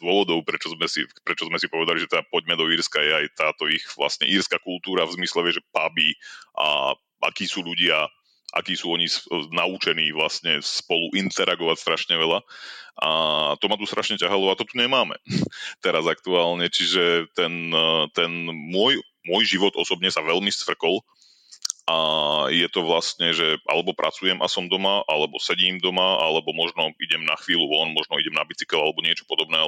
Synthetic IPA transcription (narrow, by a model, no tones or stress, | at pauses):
d̪ʊɔʋɔd̪ɔʊpɾɛt͡ʃɔzmɛsḭpɾɛt͡ʃɔzmɛsipɔʋɛd̪aliʒɛt̪ɛapɔɟmɛd̪ɔiːɾskajɛajt̪aːt̪ɔiɣʋla̰stɲɛ̰ʔiːɾskakult̪uːɾavzmislɛʋɛʒɛpabiʔa̰ | ʔa̰kiːsuːʎuɟɪa | ʔa̰kiːsuːɔɲisnaut͡ʃɛniːʋlastɲɛspɔluʔint̪ɛɾʔaɡɔʋacst̪ɾʔaʃɲɛʋɛlaʔat̪ɔmat̪ust̪ɾaʃɲɛcaɦalɔat̪ɔt̪uɲɛmaːmɛ̰t̪ɛɾazak̚t̪uaːlɲɛt͡ʃiʒɛt̪ɛnt̪ɛnmʊɔj | mʊɔjʒiʋɔd̪ɔsɔbɲɛsaʋɛlmist̪ʋr̩kɔl | ʔajɛt̪ɔʋlast̪ɲɛʒɛʔa̰lɛbɔpɾʔa̰t͡sujɛmʔasɔmd̪ɔmaʔalɛbɔsɛɟiːmd̪ɔmaalɛbɔmɔʒnɔiɟɛmnaxʋiːluʋɔlɔnmɔʒnɔiɟɛmnabit͡si̥kɛlalɛbɔɲɪɛt͡ʃɔ̥pɔd̪ɔbnɛː